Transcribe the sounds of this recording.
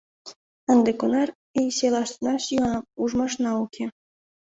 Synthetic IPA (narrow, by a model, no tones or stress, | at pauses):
ɑnd̪ekonɑr | ejselˠɑʃt̪nɑʃiɑnɑuʒmɑʂnɑukʲʰe